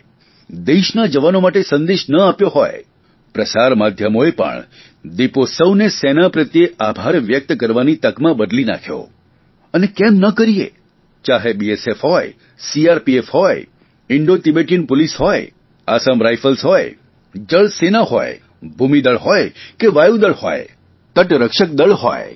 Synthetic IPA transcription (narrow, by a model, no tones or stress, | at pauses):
d̪eʃnad͡ʒəʋanomaʈesə̃nd̪eʃnəapjoɦɔ̰j | pɾəsaɾmad̪ʱjəmoepə̰ɳ | d̪iposəwnesenapɾət̪jeʔabʱaɾʋjək̚t̪kəɾʋanit̪əkmãbəd̪lina̰kʰjo̰ | ənekemnəkəɾiḛ | t͡ʃaɦebiesefɦɔj | siaɾpiefɦɔj | ɪɳɖot̪ibeʈinpʊlisɦɔj | asəmɾajfʰəlsɦɔj | d͡ʒəɭsenaɦɔ̰j | bʱumid̪əɭɦɔjkeʋajud̪əɭhɔ̰j | t̪əʈɾəkʃək̚d̪əɭɦɔ̰j